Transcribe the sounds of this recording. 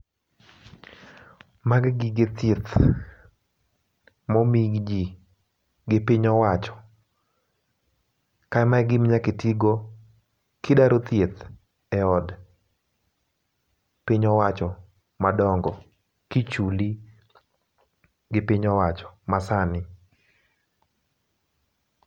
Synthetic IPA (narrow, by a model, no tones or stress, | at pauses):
maɡɡiɡet̪jet̪ | mɔmiɡd͡ʒi | ɡɪpiɲɔwat͡ʃɔ̥ | kaɛmaɛɡɪmɲaketiɡo | kɪdaɾot̪jet̪ | ɛɔd | piɲɔwat͡ʃɔ | madɔŋɡɔ | kit͡ʃuli | ɡɪpiɲɔwat͡ʃɔ̥masanɪ